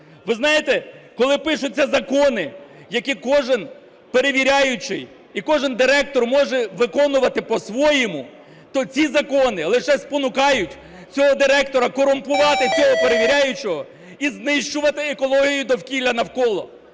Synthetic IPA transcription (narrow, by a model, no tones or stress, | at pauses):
ʋɪznɑjet̪ɛkɔlˠɪpɪʃʊt͡sʲːɐzɐkɔnɪ | jɐkʲikɔʒɪn | peɾeʋʲiɾʲajʊt͡ʃɪ̰j | ikɔʒɪnd̪ɪɾɛk̚t̪ɔrmɔʒɛʋɪkɔnʊʋɐt̪ɪpɔsʋɔjɪmʊ | t̪ɔt͡sʲizɐkɔnɪlˠɪʃɛspɔnʊkɑjʊtʲ | t͡sʲɔɦɔd̪ɪɾɛkt̪ɔɾɐkɔɾʊmpʊʋɑt̪ɪt͡sʲɔɦɔpeɾeʋʲiɾʲajʊt͡ʃɔɦɔ | iznɪʃt͡ʃʊʋɐt̪ɪekɔlˠɔɦʲijʊd̪ɔwkʲilʲɐnɐwkɔlˠɔ